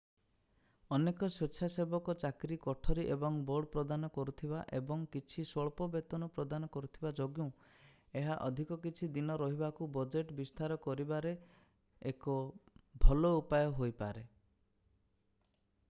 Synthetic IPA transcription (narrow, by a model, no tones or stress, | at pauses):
ɔnekɔset͡ʃʰasebɔkɔt͡ʃakɾikɔʈʰɔɾiʔebɔŋbɔɽpɾɔd̪anɔkɔɾut̪ʰibaʔebɔŋkit͡ʃʰisɔɭpɔbet̪ɔnɔpɾɔd̪anɔkɔɾut̪ʰibad͡ʒoɡjũ | eɦaʔɔd̪ʱikɔkit͡ʃʰid̪inɔɾɔɦibakubɔd͡ʒeʈbist̪aɾɔkɔɾibaɾeː | kɔbʱɔlɔupajɔɦojpa̰ɾe